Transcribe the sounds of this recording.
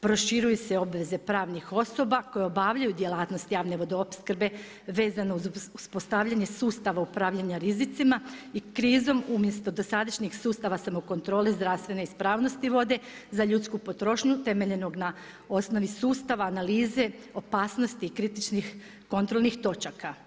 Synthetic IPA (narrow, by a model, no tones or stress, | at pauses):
pɾo̞ʃiɾujuseo̞bʋe̞ze̞pɾaːʋnixo̞so̞bako̞jeo̞baʋʎajud̪je̞laːt̪no̞st̪jaːʋne̞ʋo̞d̪eopskɾbe̞ | ʋe̞ːzanouzuspo̞st̪aːʋʎaɲe̞suːst̪aʋaupɾaːʋʎaɲaɾizit̪simaikɾiːzo̞mumje̞st̪o̞d̪osad̪aʃɲixsuːst̪aʋasamoko̞nt̪ɾo̞ːlizd̪ɾaʋst̪ʋe̞ne̞ispɾaːʋno̞st̪iʋo̞d̪e̞zaʎut̪skupo̞t̪ɾo̞ʃɲut̪e̞me̞ʎe̞no̞ɡna | o̞sno̞ʋisuːst̪aʋaːnaliːze̞o̞paːsno̞st̪ikɾit̪it͡ʃnix | ko̞nt̪ɾo̞lˠnixt̪o̞t͡ʃaka